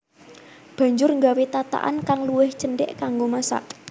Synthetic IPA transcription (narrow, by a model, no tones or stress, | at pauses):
b̥a̤ɲd͡ʒʊrŋɡawet̪at̪a̰ʔa̰nkaŋluwɪht͡ʃənɖɛ̰ʔkaŋɡomasa̰ʔ